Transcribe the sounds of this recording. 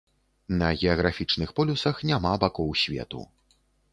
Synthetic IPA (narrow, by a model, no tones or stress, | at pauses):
nɐɣʲɛɐɣɾafʲit͡ʂnɨxpɔlʲusɐxnʲamabakɔwsʲvʲɛ̰t̪ṵ